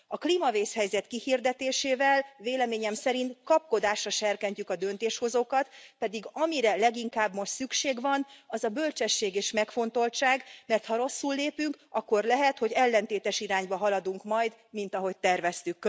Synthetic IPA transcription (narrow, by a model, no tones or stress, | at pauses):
ɒkliːmɒveːshɛjzɛt̪kihird̪ɛt̪eːʃeːvɛlveːlɛmeːɲɛmsɛɾint̪kɒp̚ko̞d̪aːʃrɒʃɛrkɛɲcykɒd̪ø̞nt̪eːʃho̞zoːkɒt̪pɛd̪iɡɒmiɾɛlɛɡiŋkaːbmo̞ʃt̪sykʃeːɡvɒnɒzɒbølt͡ʃɛʃːeːɡeːʃmɛkfo̞nt̪o̞lt͡ʃaːɡmɛrt̪hɒɾo̞sːulːeːpyŋkɒkːo̞rlɛɦɛt̪ho̞ɟɛlːɛnt̪eːt̪ɛʃiɾaːɲbɒɦɒlɒd̪uŋkmɒjd̪mint̪ɒɦo̞c̚t̪ɛrvɛst̪ykː